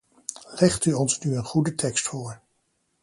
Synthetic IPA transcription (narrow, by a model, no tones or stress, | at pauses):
lɛχtyɔnsnyənχudətʰɛkstfoːɹ